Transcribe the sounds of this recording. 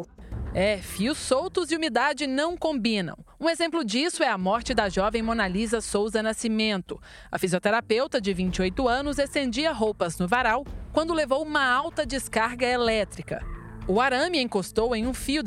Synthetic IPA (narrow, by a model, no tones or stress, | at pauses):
ɛfiʊsːowt̪ʊziumid̪ad͡ʒɪnɐ̃w̃kõmbĩnɐ̰̃w̃ũezẽmplʊd͡ʒisʊɛɐmɔɾt͡ʃɪd̪ɐʒɔvẽj̃monalizɐsowzɐnasimẽnt̪ʊ | ɐ̰fiziot̪eɾapewt̪ɐd͡ʒɪvĩnt͡ʃɪojt̪ʊɐ̃nʊzest̪ẽnd͡ʒiɐɦowpɐznʊvaɾawkwɐ̃nd̪ʊlevowũmɐawt̪ɐd͡ʒɪskaɾɡɐelɛt̪ɾikɐ̰ʊaɾɐ̃miẽkost̪owẽj̃ũfiʊ